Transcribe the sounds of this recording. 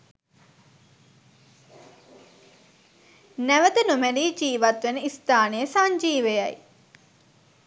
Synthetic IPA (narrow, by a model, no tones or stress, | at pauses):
næʋəd̪ənumeliːd͡ʒiːʋat̪ʋenəist̪aːnejəsaɲd͡ʒiːʋejaj